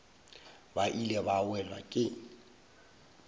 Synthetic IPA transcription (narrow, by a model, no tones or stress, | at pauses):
baʔilɛbawɛlwa̰kʼɪ